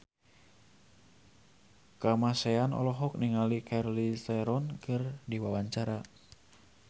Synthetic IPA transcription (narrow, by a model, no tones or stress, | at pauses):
kamasɛanɔ̰lɔɦɔk̚niŋalikʰarlisaɾɔnkɨrdiwawaɲt͡ʃaɾa